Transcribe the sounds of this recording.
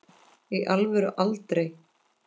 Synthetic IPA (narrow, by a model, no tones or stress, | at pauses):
iʔalvɛɾʏʔalt̪ɾej